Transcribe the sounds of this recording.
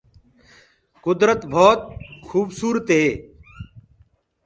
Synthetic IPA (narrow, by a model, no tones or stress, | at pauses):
kʊd̪ɾət̪bʱɔːt̪̚xuːbsuːɾət̪ɦeː